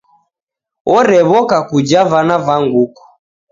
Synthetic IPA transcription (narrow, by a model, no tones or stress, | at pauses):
ɔɾɛβɔkakud͡ʒavanavaŋɡukɔ̥